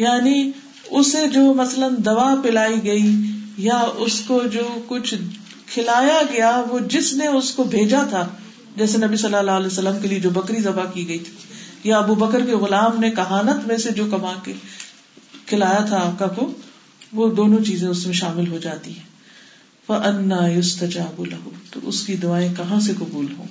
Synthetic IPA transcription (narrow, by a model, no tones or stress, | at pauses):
jaːni | ʊsed͡ʒoːmɐslənd̪ɐʋapɪlaːiɡɐijaʊskod͡ʒoːkʊt͡ʃʰ | kʰɪlaːjaɡɐjaʋod͡ʒɪsneʊskobʱeːd͡ʒat̪ʰa | d͡ʒɛːs̬enɐbisɐlːalalɛːsəlːəmkelied͡ʒoːbɐkɾizɐbakiɡɐit̪ʰi̥jaɐbubɐkəɾkeɣʊlaːmnekɐɦaːnət̪mẽsed͡ʒoːkɐmãke | kʰɪlaːjat̪ʰaːp̚kako | ʋoːd̪oːnõt͡ʃiːzẽʊsmẽʃaːmɪlɦod͡ʒaːt̪iɦɛ̃ː | fɐʔɐnːaːjʊst̪ɐd͡ʒaːblɐɦʊt̪o̰ʔʊskid̪ʊaːẽkɐɦãsekɐbuːlɦõ̰ː